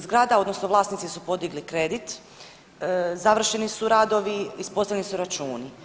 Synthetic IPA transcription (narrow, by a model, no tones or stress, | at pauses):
zɡɾaːd̪ao̞d̪no̞snoʋlˠaːsnit̪sisupo̞d̪iɡlikɾe̞d̪it̪ | zaʋr̩ʃe̞nisuɾaːd̪o̞ʋiispo̞st̪ajʲnisuɾat͡ʃuːni